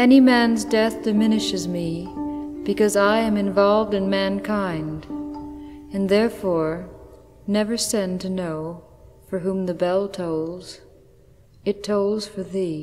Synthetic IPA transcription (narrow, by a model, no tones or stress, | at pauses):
ɛnimæ̃nzdɛθd̥ɨmɪ̃nɨʃɨzmi | b̥ɨkʌzaɪɨ̃mɨ̃ɱvɑlˠvdɨ̃nmæ̃nkʰãɪ̃nd | ɨ̃nðɛɹfɔɹ | nɛvə˞sɛ̃ntʰɨnoʊ | fə˞ɦũmðɨbɛlˠtʰoʊllˠz̥ | ɨtʰoʊlˠz̥fə˞ði